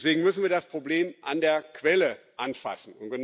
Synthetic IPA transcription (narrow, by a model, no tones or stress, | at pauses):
sv̥eːɡŋ̩mʏsn̩viːɐdaspʁ̥obleːmʔandeːɐkʰv̥ɛlə | ʔanfa̰sn̩ʊntɡ̥ən